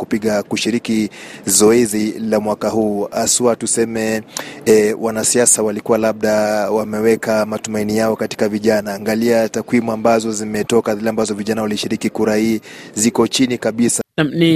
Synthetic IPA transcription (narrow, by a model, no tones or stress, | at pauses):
kupiɠakuʃiɾikizɔɛzilamwakahuːasuatusɛmɛ | wʔanasiasawalikuwalaɓ̚ɗawamɛwɛkamatumainijaɔkati̥kaviʄanaːŋɡaliatakwimuambazɔzimɛtɔkaðilɛambazɔviʄanawaliʃiɾikikuɾahiːzikɔt͡ʃinikaɓisani